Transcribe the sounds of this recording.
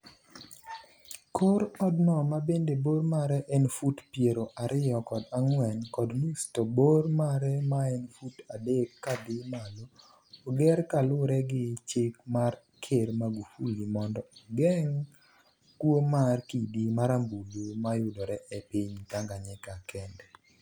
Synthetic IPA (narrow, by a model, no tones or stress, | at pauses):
kʰoɾɔdnɔmabendeboɾmaɾɛʔɛnfutpjeɾoʔaɾʔɪjɔkɔdaŋwɛnkɔdmustobormaɾɛmaɛnfutadekːadɪmaloː | ɡɛrkalʊɾɛɡɪt͡ʃɪkmar | kʰermaɡufulimɔndɔɡɛŋ | kwomarkidimaɾambulumajʊdoɾɛʔɛpiɲtaŋɡaɲɛkakʰɛndɛ